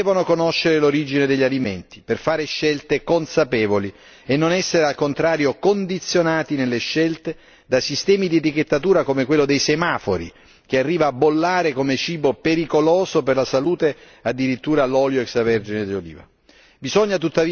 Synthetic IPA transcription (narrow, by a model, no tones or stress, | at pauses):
ɛvonokonoʃːeɾeloɾid͡ʒined̪eʎːaliment̪i̥perfaːɾeʃɛlt̪ekonsapɛːvoli | enːonɛsːeɾealkont̪ɾaːɾjokond̪it̪sːjonaːt̪inelːeʃːɛlt̪e | d̪asist̪ɛːmid̪iet̪iket̪ːat̪uːɾakomekwelːod̪ejsemaːfoɾḭ | k̟earːiːvaːbːolːaːɾekomet͡ʃiːbopeɾikoloːzoperlasaluːt̪e | ad̪ːiɾit̪ːuːɾalɔːljoɛksavɛrd͡ʒined̪eolḭːva̰ | bizɔɲːat̪̬ut̪ːavi